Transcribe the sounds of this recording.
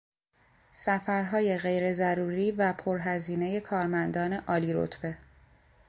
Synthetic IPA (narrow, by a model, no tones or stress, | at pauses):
sæfæɾɦɒːje̞ɣe̞jɾe̞zæɾuːɾiːvæpʰoɾɦæziːne̞je̞kʰɒːɾmænd̪ɒːne̞ʔɒːliɾo̰t̪ʰb̥e̞